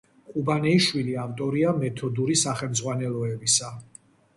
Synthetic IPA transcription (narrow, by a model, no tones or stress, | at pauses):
qʼubanɛiʃwiliavt̪ʼɔɾiamɛt̪ʰɔd̪uɾisaχɛlˠmd̪zʁwanɛlˠɔɛbisa